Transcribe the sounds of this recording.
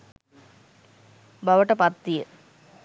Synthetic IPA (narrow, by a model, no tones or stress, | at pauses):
bɐʋɐʈɐpɐt̪ːijə